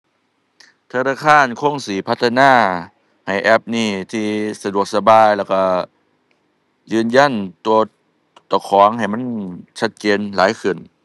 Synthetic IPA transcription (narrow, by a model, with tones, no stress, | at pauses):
t̪ʰa˧naː˧kʰaː˧˥˨nkʰo˧˥˨ŋsiː˨˦pʰa˧t̪ʰːa˧naː˧˥˨ | ha˨˩jʔɛ˧˥p̚niː˧˩t̪ʰiː˧sa˧du˨˩ək̚sa˧baː˧jlɛː˧˩wka˧˩ | jɯː˧nja˧˥˨nt̪u˧ɐ | t̪ɔ˨˩kʰɔː˨˦ŋha˨˩jma˧˥˨nt͡ɕʰa˧˩t̪̚t͡ɕeː˧nlaː˨˦jkʰɯ˨˩n